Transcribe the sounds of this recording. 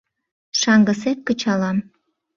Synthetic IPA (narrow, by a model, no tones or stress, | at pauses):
ʃɑŋɡəset̪̚kət͡ɕɑlɑm